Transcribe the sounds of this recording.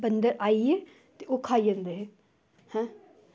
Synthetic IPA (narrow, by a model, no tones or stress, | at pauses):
bənd̪əɾaːie | t̪eokʰaːijənd̪eɦe | hɛ̃